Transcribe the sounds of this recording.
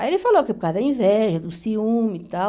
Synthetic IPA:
elɪfaloɐkekad̪ɐĩvɛʒɐd̪ʊsiũmit̪a

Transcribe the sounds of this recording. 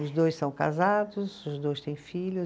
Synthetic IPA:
ʊzd̪ojssɐ̃w̃ka̰zad̪ʊsʊzd̪ojst̪ẽj̃fiʎʲʊ

